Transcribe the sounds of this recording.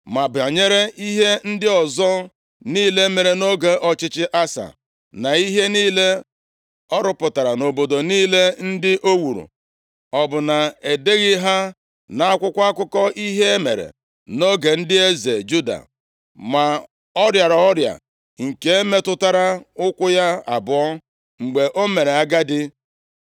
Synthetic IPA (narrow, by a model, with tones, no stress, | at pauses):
ma˨ba˨ɲe˦ɾe˦i˦ɦe˦n̩˦dɪ˦ɔ˨zɔ˦ | niː˦le˦me˨ɾe˨no˦ɡe˨ʔɔ˨t͡ʃɪ˦t͡ʃɪ˦ʔa˦sa̰˨ | na˨i˦ɦe˦niː˦le˦ | ɔ˦ɾʊ˦pʊ˨ta˨ɾa˨no˨bo˨do˨niː˦le˦n̩˦dɪ˦ʔo˦wu˨ɾṵ˨ | ɔ˨bʊ˨na˨e˨de˦ɣɪ˦ɦa˦ | na˨a˦kʷʊ˦kʷkʷʊ˦kɔ˦i˦ɦe˦e˦mḛ˨ɾḛ˨ | no˦ɡe˨n̩˦dɪ˦e˦ze˨d͡ʒu˦da̰˨ | ma˨ | ɔ˦ɾja˨ɾa˨ɔ˦ɾja̰˨ | ŋ̩˨ke˦e˦me˦tʊ˦ta˦ɾa˦ʊ˦kʷʊ˦ja˦a̰˨bʊ˨ɔ˦ | ŋ͡m̩˨ɡ͡be˨ʔo˦me˨ɾe˨a˦ɡa˦dɪ˦